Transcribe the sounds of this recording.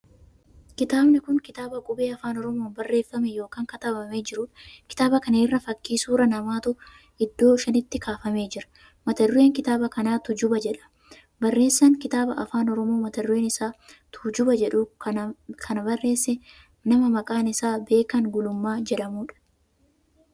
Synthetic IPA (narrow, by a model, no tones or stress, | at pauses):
kɪt̪aːbnɪkʊŋkɪt̪aːbɐkʼʊbeːɐfaːnɔɾɔmoːnbɐrːe̞ːfːɐmɛjo̞ːkaːŋkɐt̪ɐbɐme̞ːd͡ʒɪɾʊᶑɐ̥kɪ̥t̪aːbɐkɐneːrːɐfɐkːiːsuːɾɐnɐmaːt̪ʊ | ɪd̪ːo̞ːʃɐnɪt̪ːɪkaːfɐme̞ːd͡ʒɪɾɐ̥ | mɐt̪ɐrʊeːŋkɪt̪aːbɐkɐnaːt̪ʊd͡ʒʊbɐd͡ʒɛᶑɐ̥ | bɐrːe̞ːsːɐŋkɪt̪aːbɐʔɐfaːnɔɾɔmo̞ːmɐt̪ɐreːnɪsaːt̪ʰʊd͡ʒʊbɐd͡ʒɛᶑʊ | kʰɐnɐbɐrːe̞ːsːɛ | nɐmɐmɐkʼaːnɪsaːbe̞ːkɐŋɡʊlʊmːaːd͡ʒɛᶑɐmuːᶑɐ̥